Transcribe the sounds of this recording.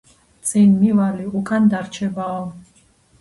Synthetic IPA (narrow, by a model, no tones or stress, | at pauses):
t̪t͡sʼinmivaliukʰʼand̪aɾt͡ʃʰɛba